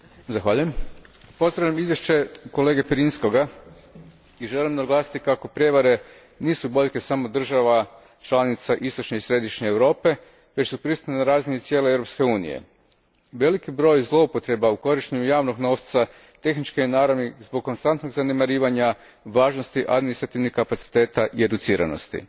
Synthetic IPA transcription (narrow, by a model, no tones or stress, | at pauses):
zaxʋaːʎuje̞mpo̞zd̪ɾaʋʎʲamizje̞ʃt͡ɕe̞ko̞le̞ːɡepɾinsko̞ɡa | iʒe̞limnaɡlˠaːsi̥t̪ikako̞pɾʲje̞ʋaɾe̞ | niːsubo̞ʎke̞samo̞d̪r̩ʒaʋa | t͡ʃlˠanit̪saʔist̪o̞t͡ʃɲeisɾe̞d̪iʃɲeːwɾo̞ːpe̞ | ʋe̞t͡ɕsupɾist̪ut̪nenaɾaːzinit̪sjeleewɾo̞pske̞uːnḭjḛ | ʋe̞likibɾo̞ːjzlˠo̞upo̞t̪ɾe̞bauko̞ɾiʃt̪eɲujaːʋno̞ɡno̞ːʋt̪sa | t̪e̞xnit͡ʃkienaːɾanizboɡ̚kːo̞nst̪ant̪no̞ɡzane̞maɾiːʋaɲa | ʋaːʒnost̪iʔa̰d̪minist̪ɾat̪iʋnixkapat̪si̥t̪e̞ːt̪aʔie̞d̪ut̪siːɾa̰no̞̰st̪ḭ